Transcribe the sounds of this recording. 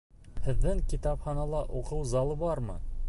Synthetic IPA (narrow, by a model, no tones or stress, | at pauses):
hɘ̆ðːɘŋkit̪ɑphɑnɑlˠɑʔuqɤwzɑlˠɤbɑɾmɤ̰